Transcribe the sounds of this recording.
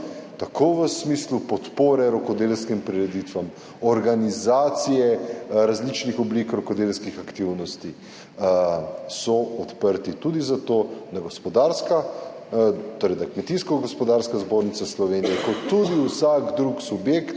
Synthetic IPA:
t̪akʰoʋəsmiːslupɔt̪poːɾɛɾɔkɔd̪elskimpɾiɾɛd̪it̪ʋam | ɔɾɡanizaːt̪sijɛɾazlit͡ʃnixɔblikɾɔkɔd̪elskixakt̪iwnɔst̪i | sɔɔt̪pəɾt̪it̪ud̪izat̪onaɡospɔd̪aɾska | t̪oːɾɛjd̪akmɛt̪iskɔɡɔspɔd̪aɾskazboːɾnit̪saslɔʋeːnijɛkɔt̪ːud̪iusakd̪ɾuksubjekt̪

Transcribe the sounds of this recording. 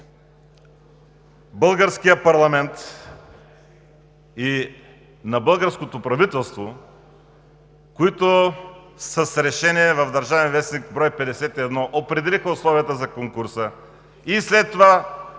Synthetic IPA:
bəlˠɡəɾskijəpɐɾlˠɐmɛnt̪ | i | nɐbəlˠɡəɾskot̪opɾɐvit̪ɛlˠst̪vo | koit̪o | səsɾɛʃɛniɛvɐvd̪ɐɾʒavɛnvɛsnikbɾɔjpɛd̪ɛsɛt̪iɛd̪nɔʔopɾɛd̪ɛlixəʊslˠɔviət̪əzɐkoŋkʊɾsə | islɛt̪ːova

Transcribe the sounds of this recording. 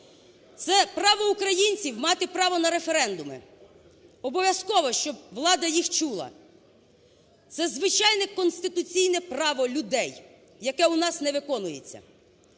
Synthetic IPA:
t̪sɛpɾɑʋɔukɾɐjinʲt͡sʲiwmɑt̪ɪpɾɑʋɔnɐɾe̞feɾɛnd̪ʊmḛ | ɔbɔʋʲjɐskɔʋɔʃt͡ʃɔb̚ʋlˠɑd̪ɐjixt͡ʃulˠɐ̰ | t̪sɛzʋɪt͡ʃɑjnɛkɔnst̪ɪt̪ʊt͡sʲijnɛpɾɑʋɔlʲʊd̪ɛjː | ɐkɛunɑsnɛʋɪkɔnʊjḛt͡sʲːɐ̰

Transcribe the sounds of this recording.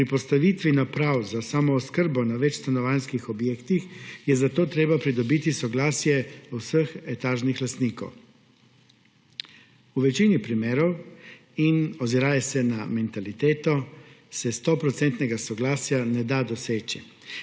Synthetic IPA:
pɾipɔst̪aʋit̪ʋinapɾawzasamɔːskəɾbɔnaʋɛt͡ʃst̪anɔʋanskixɔbjeːkt̪ixjɛzat̪oːt̪ɾeːbapɾid̪ɔbiːt̪isɔɡlaːsjɛwsəxɛt̪aːʒnixlast̪niːkɔ̰w | uʋɛt͡ʃinipɾimeːɾɔw | inɔziɾaːjɛsɛnamɛnt̪alit̪eːt̪ɔ | sɛst̪ɔpɾɔt̪sɛnt̪nɛɡasɔɡlaːsjanɛd̪ad̪ɔseːt͡ʃi

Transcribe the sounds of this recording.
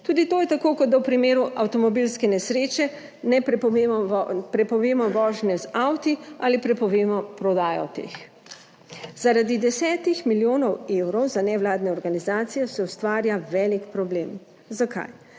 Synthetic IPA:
t̪uːd̪it̪oːjɛt̪akokɔd̪̚d̪awpɾimeːɾuʔawt̪ɔmɔbilskɛnɛsɾeːt͡ʃɛ | nɛpː | pɾɛpɔʋeːmɔʋɔːʒnɛzawt̪ialipɾɛpɔʋeːmɔpɾɔd̪aːjɔ̰t̪ḛːx | zaɾad̪id̪ɛsɛːt̪ixmiljoːnɔwewɾɔwzanɛwlaːd̪nɛɔɾɡanizaːt̪sijɔsɛust̪ʋaːɾjaʋɛːlikpɾɔbleːm | zakʰa̰j

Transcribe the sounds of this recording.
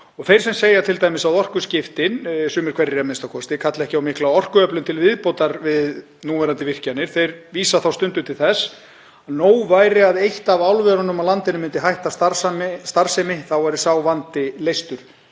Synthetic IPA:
ɔθejɾ̥sɛmseːjat̪ʰɪlt̪ajmɪsawðɔr̥kʏscɪft̪ɪnsʏːmɪɾ̥kʰvɛrɪamɪnst̪akʰɔst̪ɪkʰat̪lɛhcɪawmɪhklaɔr̥kʏœplʏnt̪ʰɪlvɪðpowt̪aɾvɪð | nuːvajɾant̪ɪvɪr̥canːɪɾ̥θejɾviːsaθawst̪ʏnt̪ʏt̪ʰɪlθɛsː | aðnoːwvaːjɾɪaðejht̪avawlvɛðɾanʏmawlant̪ɪnʏmɪnt̪ɪɦajht̪ast̪aɾsamst̪aɾsɛmɪθawvaɾɪsawvant̪ɪlejst̪ʏɾ̥

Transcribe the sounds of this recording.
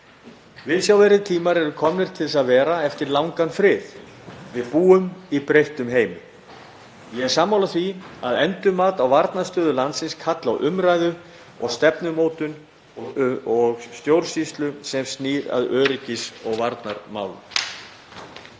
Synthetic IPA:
vɪðsjawvɛɾɪt̪ʰiːmaɾɛɾʏkʰɔmnɪɾ̥t̪ʰɪlɛsaðvɛːɾaɛft̪ɪɾlawŋkanfɾɪːð | vɪðpuːʏmipɾejht̪ʏmɦeːjmʏ | jɛɛɾ̥saːmːawlaθviaðɛnt̪ʏmːaːt̪awvaɾt̪naɾ̥st̪œːðʏlant̪sɪnskʰat̪la̰wʔʏmɾajðʏ | ɔ̰ɣst̪ɛpnʏmoːwt̪ʏn | ɔɔɣst̪jowɾ̥sist̪lʏsɛmst̪niːɾa̰ðœːɾɪcɪsɔɣvaɾt̪naɾma̰ːwlʏ̰

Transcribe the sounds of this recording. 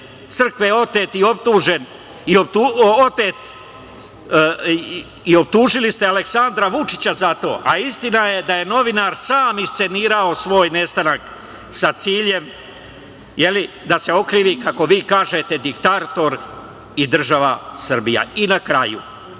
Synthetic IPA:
t̪sɨr̩kʋeo̞t̪eːt̪io̞p̚t̪uːʒe̞n | iopt̪uot̪et̪ | io̞b̚t̪uːʒilist̪eale̞ksand̪ɾaʋut͡ʂi̥t͡ɕazat̪o̞ːʔaist̪inaje̞d̪aje̞no̞ʋinaɾsaːmist̪se̞niːɾao̞sʋo̞ːjne̞st̪anak | sat̪siːʎe̞m | je̞li | d̪ase̞o̞kɾiːʋikako̞ʋiːkaːʒet̪e̞d̪ikt̪at̪o̞ɾ | id̪r̩ʒaʋa̰sr̩bija̰inakɾajṵ

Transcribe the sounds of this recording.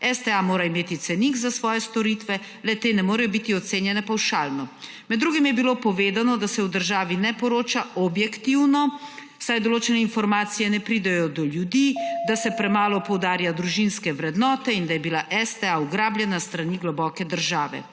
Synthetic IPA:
ɛst̪ɛamoːɾaimeːt̪it̪sɛnikzasʋɔːjɛst̪ɔɾiːt̪ʋɛ | lɛt̪eːnɛmoːɾɛjɔbit̪iɔt̪seːnjɛnɛpawʃaːlnɔ | mɛd̪ːɾuːɡimjɛbilopɔʋeːd̪anɔd̪asɛwd̪əɾʒaːʋinɛpɔɾoːt͡ʃaʔɔbjɛkt̪iwnɔw̥sajd̪ɔloːt͡ʃɛnɛinfɔɾmaːt̪sijɛnɛpɾiːd̪ɛjɔd̪ɔljud̪iːd̪asɛpɾɛmaːlɔpɔwd̪aːɾjad̪ɾuʒinskɛʋɾɛd̪nɔːt̪ɛind̪ajɛbilaʔɛst̪ɛauɡɾaːbljɛnast̪ɾaniɡlɔbɔːkɛd̪əɾʒaːʋɛ̰

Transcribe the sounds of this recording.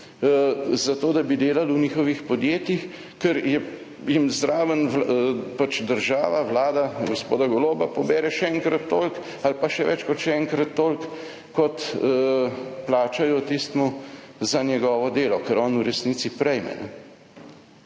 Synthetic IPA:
zat̪oːd̪abid̪eːlalwniːxɔʋixpɔd̪jeːt̪jix | kɛɾjɛ | jimzd̪ɾaːʋənʋlpat͡ʃd̪əɾʒaːʋaʋlaːd̪aɡospoːd̪aɡɔloːbapɔbɛːɾɛʃɛɛŋkɾat̪ːoːlk | alpaʃɛʋɛ̰t͡ʃkɔt̪ʃɛɛŋkɾat̪ːoːlk | kːɔt̪ | plaːt͡ʃajɔt̪ist̪muzanjɛɡɔːʋɔd̪eːlɔkəɾɔːnuɾɛsniːt̪sipɾɛjmɛ̰nɛ̰

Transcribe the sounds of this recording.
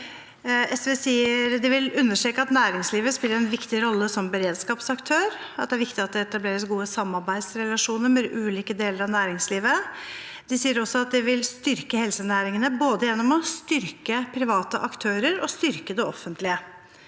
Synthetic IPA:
ɛsʋeːsiːəɾd̪ɪʋɪlʉnːəʂʈɾeːkəɑt̪næːɾɪŋsliːʋəspɪlːəɾɛnʋɪkt̪ɪɾɔlːəsɔmbəɾeːd̪skɑːpsɑkt̪ʰøːɾ | ɑt̪̚d̪ɛæɾʋɪkt̪ɪɑt̪̚d̪ɛɛt̪ɑbleːɾəsɡuːəsɑmːɑɾbæɪd̪sɾɛlɑʂuːnəɾmɛʔʉːliːkəd̪eːləɾɑʋnæːɾɪŋsliːʋə | d̪̥ɪsiːəɾɔsːɔɑt̪̚d̪ɪʋɪlst̪ʏɾkəhɛlsənæːɾɪŋənəboːd̪əjɛnːɔmɔst̪ʏɾkəpʰɾɪʋɑːt̪əʔɑkt̪ʰøːɾəɾɔst̪ʏɾkəd̪ɛɔfːənt̪lɪə

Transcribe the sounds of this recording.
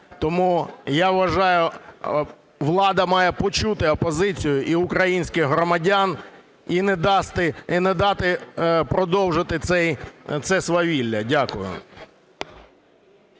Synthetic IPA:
t̪ɔmujaʋʋɐʒɑjʊ | ʋlˠɑd̪ɐmɑjɛpɔt͡ʃut̪ɪɔpɔzɪt͡sʲijʊʔiʊkɾɐjinʲsʲkɪɣɦɾɔmɐdʲan | inɛd̪ɑst̪ɪnɛd̪ɑt̪ɪpɾɔd̪ɔwʒɪt̪ɪt̪sɛjt̪sɛsʋɐʋʲilʲːɐdʲakʊjʊ̰

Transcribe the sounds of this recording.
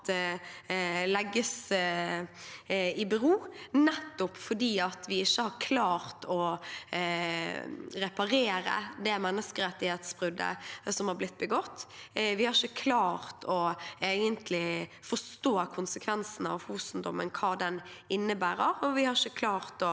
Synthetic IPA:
lɛɡːəs | ɪbəʁuːnɛt̪ːʊpfɔdiːɑt̪ʋɪɪçːəhɑɾkʰlɑːɾt̪ʰɔ | ɾɛpɑɾeːɾə̰d̪ɛmɛnːəskəɾɛt̪ːɪheːt̪sb̥ʁʏd̪ːə̰sɔmhɑɾblɪt̪̚ːbəɡɔt̪ːʋɪhɑɾɪçəkʰlɑːɾt̪ʰɔeːɡənt̪ʰlɪfɔʂt̪oːkʰʊnsəkʰʋɛnsn̩ɑ̰ʋhuːsnd̪ɔmənkʰɑːd̪ɛnɪnːəbæːɾəɾɔʋɪhɑɾɪçəkʰlɑːɾt̪ɔ

